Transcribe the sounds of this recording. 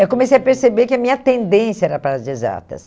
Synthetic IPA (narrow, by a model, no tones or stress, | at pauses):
ewkõmesejɐpeɾsebekɪɐmĩɲɐt̪ẽnd̪ẽsjɐɛɾɐpaɾɐzd͡ʒiza̰t̪ɐ̰s